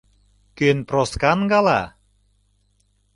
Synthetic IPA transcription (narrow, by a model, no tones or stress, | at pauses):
kønproskɑnɡɑlɑ̰